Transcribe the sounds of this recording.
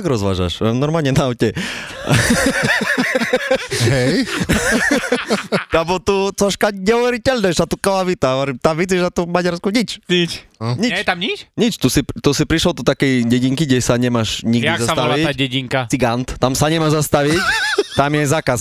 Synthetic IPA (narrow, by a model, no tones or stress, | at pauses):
aɡɾɔzʋa̰ːʒa̰ʃanɔɾmaːlɲɛnaawcɛ | ɦɛj | t̪abɔt̪ut͡sɔʃkaɲɛɔʋɛɾitɛlnɛʃat̪ukalaʋit̪aʋɛɾimt̪amʋid͡ziʃat̪umaɟaɾskuɲit͡ʃɲit͡ʃɲiɛt͡ʃt̪amɲit͡ʃɲit͡ʃt̪usipt̪usipɾiʃlɔd̪ɔt̪akɛjɟɛɟiŋkiɡɟɛsaɲɛmaʃɲiɡj̪iakzasat̪aɔlʋait̪aɟɛɟiŋkat͡siɡant̪t̪amsaɲɛmaʒzast̪aʋict̪amjɛzaːkas